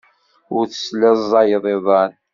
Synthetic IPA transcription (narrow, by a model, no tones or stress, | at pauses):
ʊɾθə̥slæzˤːɑjəðˤeðˤɑɾ